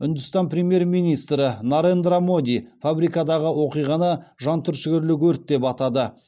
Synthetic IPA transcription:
ʏnd̪ʏst̪ɑnpɾʲe̞mje̞ɾmijnijst̪ɾɪnaɾend̪ɾamo̞d̪ʲijfabɾikɑd̪ɑʁəwo̞qijʁɑnəʒɑnt̪ʰʏɾʃʏɡʲɪɾlɪɡʲɵɾt̪̚d̪e̞pɑt̪ɑd̪ə

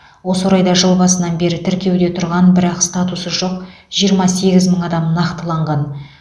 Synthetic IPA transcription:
wo̞swoɾɑjd̪ɑʒəlˠbɑsənɑnbe̞ɾɪt̪ʰɪɾkʲe̞wd̪e̞t̪ʰʊɾʁɑnbɪɾɑqst̪at̪usəʒo̞q̚ | ʒ̥ijəɾmɑse̞ɡʲɪzməɴɑd̪ɑmnɑqt̪əlˠɑɴʁɑn

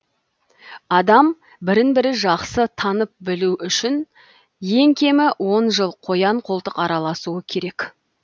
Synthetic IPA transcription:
ɑd̪ɑm | bɪɾɪnbɪɾɪʒɑqsət̪ʰɑnəp̚bɪluʔʏʃɪn | je̞ŋkʲʰe̞mɪwʔo̞nʒəlˠqʰo̞jɑɴqʰo̞lˠt̪əqɑɾɑlˠɑsuəkʲʰe̞ɾe̞k

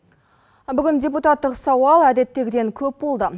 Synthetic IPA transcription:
bʏɡʲɪndʲe̞put̪ɑt̪ːəqsɑwɑlˠæd̪e̞t̪ːe̞ɡʲɪd̪e̞ŋkʲʰɵp̚bo̞lˠd̪ə

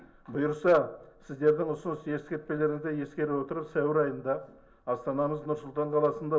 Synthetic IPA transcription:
bʊjəɾsɑsɪzd̪e̞ɾd̪ɪŋʊsənsje̞skʲe̞ɾt̪̚pe̞le̞ɾɪd̪eje̞skʲe̞ɾɪwo̞t̪əɾəɾsæwɪɾɑjənd̪ɑ | ɑst̪ɑnɑməznʊɾsʊlˠt̪ɑɴqʰɑlˠɑsənd̪ɑ

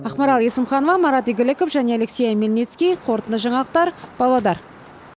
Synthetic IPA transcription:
ɑqmɑɾɑlˠe̞sɪmχɑnovɑmɑɾɑt̪ijɡʲɪlɪkofʒæne̞aleksʲejɑmelnet̪skʲijqʰo̞ɾt̪ənd̪əʒɑɴɑlˠəq̚t̪ɑɾb̥ɑlˠɑd̪ɑɾ

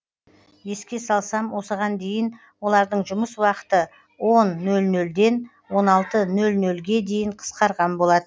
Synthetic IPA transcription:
je̞skʲe̞sɑlˠsɑmwo̞səʁɑnd̪e̞jɪn | wo̞lˠɑɾd̪əɴʒʊməswɑqə̥t̪ə | wo̞nːɵlnɵld̪e̞n | wo̞nɑlˠt̪ənɵlnɵlɡʲe̞d̪e̞jɪɴqʰə̥sqɑɾʁɑnbo̞lˠɑd̪ə

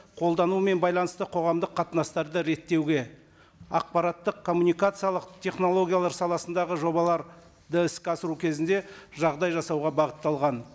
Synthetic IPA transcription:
qʰo̞lˠd̪ɑnume̞nbɑjlˠɑnəst̪əqʰo̞ʁɑmd̪əqʰːɑt̪ənɑst̪ɑɾd̪əɾe̞t̪ːe̞wɡʲe̞ | ɑ̰q̚pɑɾɑt̪ːəqkʰo̞mːunijkat̪sɨjalˠəqt̪ʰʲe̞χno̞lˠo̞ɡʲijalˠɑɾsɑlˠɑsənd̪ɑʁəʒo̞bɑlˠɑɾ | d̪əɪskʲɑsəɾukʲʰe̞zɪnd̪e̞ʒɑʁd̪ɑjʒɑsɑwʁɑbɑʁət̪ːɑlˠʁɑn

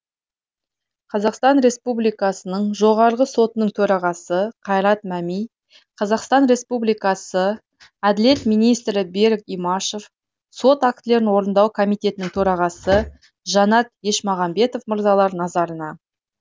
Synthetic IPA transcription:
qʰɑzɑqst̪ɑnɾe̞spublijkɑsənəɴʒo̞ʁɑɾəʁəso̞t̪ənəɴt̪ʰɵɾɑʁɑsəqʰɑjɾɑt̪̚mæmij | qʰɑzɑqst̪ɑnɾe̞spublijkɑsə | æd̪ɪle̞t̪mijnijst̪ɾɪbe̞ɾkijmɑʃef | so̞t̪ak̚t̪ɪle̞ɾɪnwo̞ɾənd̪ɑwkʰo̞mijt̪e̞t̪ɪnɪŋt̪ʰɵɾɑʁɑsə | ʒɑnɑt̪̚je̞ʃmɑʁɑmbe̞t̪o̞fməɾzɑlˠɑɾnɑzɑɾənɑ

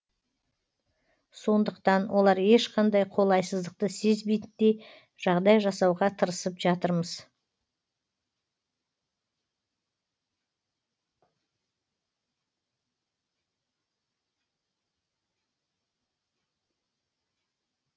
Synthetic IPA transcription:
so̞nd̪əqt̪ɑnwʔo̞lˠɑɾe̞ʃqʰɑnd̪ɑjqʰo̞lˠɑjsəzd̪əq̚t̪əse̞zbejt̪d̪e̞ | ʒ̥ɑʁd̪ɑjʒɑsɑwʁɑt̪ʰəɾəsəpʒɑt̪əɾməz̥

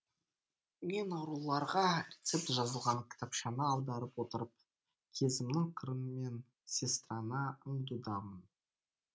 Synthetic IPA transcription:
me̞nɑɾulˠɑɾʁɑɾʲet̪se̞p̚t̪ʒɑzəlˠʁɑŋkʲʰɪ̥t̪ʰɑpʃɑnəɑlˠd̪ɑɾəpwo̞t̪əɾəp̚ | kʲʰe̞zɪmnɪŋqʰəɾənəme̞n | sʲest̪ranɑəɴd̪ud̪ɑmən

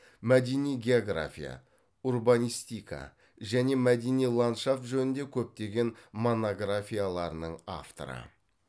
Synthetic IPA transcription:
mæd̪enijɡʲe̞oɡra̰fʲḭja̰ | urbanijst̪ikʰa̰ | ʒæne̞mæd̪enijlˠant̪ʃafʒɵnɪnd̪e̞kʲʰɵp̚t̪e̞ɡʲe̞nmo̞noɡrafʲijalˠɑɾənəɴa̰ft̪o̞̰ɾə̰

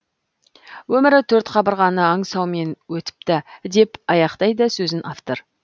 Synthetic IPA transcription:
wɵmɪɾɪt̪ʰɵɾt̪qʰɑbəɾʁɑnəɑɴsɑwme̞nwɵt̪ɪ̥p̚t̪ɪd̪e̞pɑjɑqt̪ɑjd̪əsɵzɪnʔaft̪oɾ

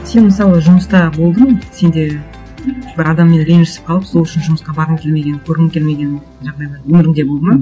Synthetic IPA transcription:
se̞nməsɑlˠəʒʊməst̪ɑbo̞lˠd̪əɴse̞nd̪e̞ | bɪɾɑd̪ɑmːe̞nɾenʒɪ̥sɪ̥pqʰɑlˠəpsolˠʏʃɪnʒʊməsqɑbɑɾəmkʲʰe̞lme̞ɡʲe̞nkʲʰɵɾɪnɪmkʲʰelme̞ɡʲe̞n | ʒɑʁd̪ɑjd̪ɑwɵmɪɾɪŋd̪e̞bolˠd̪əmɑ

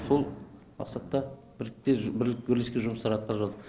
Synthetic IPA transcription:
so̞lˠ | mɑ̰qsɑt̪ːɑ | bɪɾɪkt̪ebɪlkbɪɾleskʲe̞ʒʊməst̪ɑɾɑt̪̚qʰɑɾˠʒɑd̪ə

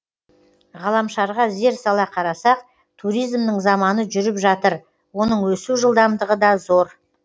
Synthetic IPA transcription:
ʁɑlˠɑmʃɑɾʁɑze̞ɾsɑlˠɑqʰɑɾɑsɑq̚ | t̪ʰuɾijzmd̪əɴzɑmɑnəʒʏɾɪpʒɑt̪əɾ | wo̞nəɴwɵsuʒəlˠd̪ɑmd̪əʁəd̪ɑzo̞ɾ

